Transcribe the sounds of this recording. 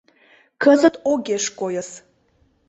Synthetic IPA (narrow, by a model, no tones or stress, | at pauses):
kəzət̪oɡeʃkojəs